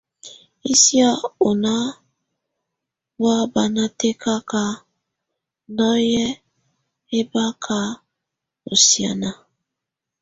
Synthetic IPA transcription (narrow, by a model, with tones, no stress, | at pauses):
i˦si˦a˦o˨na˦ | wa˦ba˨na˨˦te˦ka˦ka˨ | nɔ˦jɛ˦ | e˦ba˦kʰa˦ | o˨sja̰˨na˨